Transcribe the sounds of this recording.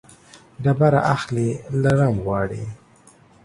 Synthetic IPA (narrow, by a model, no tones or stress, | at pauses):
ɖabaɾaʔaxlelaɾamɣwɑːɽḭ